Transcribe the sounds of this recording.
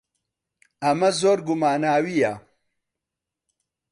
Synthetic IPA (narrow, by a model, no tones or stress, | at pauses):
ɐmɐzoːɾɡumaːnaːwijɐ